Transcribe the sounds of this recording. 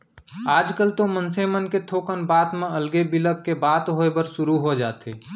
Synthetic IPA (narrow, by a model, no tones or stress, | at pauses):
aːd͡ʒkəlt̪omənsemənket̪ʰoːkənbaːt̪mẽəlɡebɪləkːebaːt̪ɦoːebəɾʃʊɾuɦod͡ʒaːt̪eː